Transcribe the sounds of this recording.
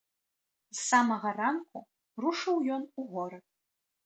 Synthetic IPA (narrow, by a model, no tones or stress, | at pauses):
zsamɐɣɐranku | ruʂɨwjɔnuɣɔɾɐt̪̚